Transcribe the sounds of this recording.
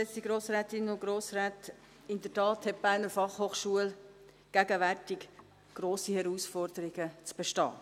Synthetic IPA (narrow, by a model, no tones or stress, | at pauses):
ɛstiɡ̥ɾoːsɾɛːtɪnʊɡ̥ɾoːsɾaːt | ɪndətɑːthɛt̚b̥æːɾnəɾfɑχhoːχʃuəl | ɡ̥æɡəʋærtɪk | ɡ̥roːsihɛɾuːsfɔrdəɾɪɡ̥ət͡sb̥ɛʃtɑ̰ː